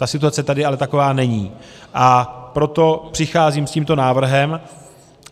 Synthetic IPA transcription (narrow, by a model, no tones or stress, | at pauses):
t̪asɪt̪uat͡sɛt̪adɪalɛt̪akovaːnɛɲiːʔapɾo̞t̪o̞pr̥ɪxaːziːmsciːmt̪o̞naːvr̩ɦɛm